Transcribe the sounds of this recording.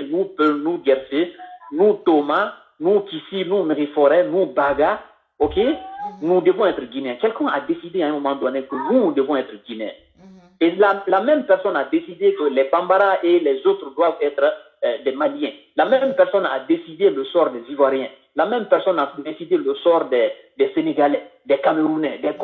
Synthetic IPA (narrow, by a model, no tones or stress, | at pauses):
nupønuɡɛɾsenũt̪oma | nũkisinumeʁifɔɾɛnubaɡa | okenud̪əvɔ̃ɛt̪ɾəɡineɛ̃kɛlkɛ̃ad̪esid̪eãɛ̃momãd̪ɔ̃nekənud̪əvɔ̃ɛt̪ɾɡʲineɛ̰̃ | elalamɛ̃mpɛɾsɔnad̪esid̪ekəlɛbãmbaɾaʔelɛzot̪ɾd̪wavɛt̪ɾ | dɛmaliɛ̃ | lamɛmpɛɾsɔnad̪esid̪eləsɔɾd̪ɛzivwaɾjɛ̃ | lamɛ̃mpɛɾsɔnadesid̪eləsɔɾd̪ɛ | dɛseneɡalɛdɛkameɾunɛdɛk